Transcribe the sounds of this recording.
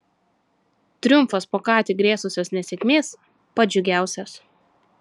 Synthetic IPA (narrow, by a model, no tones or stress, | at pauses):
t̪ʲɾʲʊmˑfospoːkɑːt̪ʲɪɡɾʲeːsʊsʲoːsnʲɛsʲɛkʲmʲeːs | pɐd͡ʒʲʊɡʲæˑʊsʲos